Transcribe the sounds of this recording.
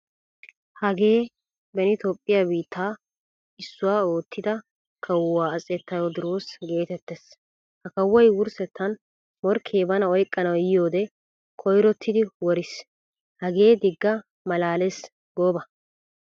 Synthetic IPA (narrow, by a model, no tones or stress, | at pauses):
hɐɡeː | bɛnɪt̪oːpʼːɪjabiːt̪ːaː | ɪsːʊwaːo̞ːt̪ːɪd̪ɐ | kʰɐwʊwaːsʼɛt̪ːɐjod̪ɪɾo̞ːsɡe̞ːt̪ɛt̪ːes | hɐkɐwːɔjwʊɾsɛt̪ːɐn | mɔɾkʰeːbɐnɐɔjkʼːɐnɐwjɪjoːd̪ɛ | kʰɔjɾɔt̪ʰːɪd̪ɪwɔɾɪs | hɐɡe̞ːd̪ɪɡːɐ | mɐlaːlɛs | ɡoːbɐ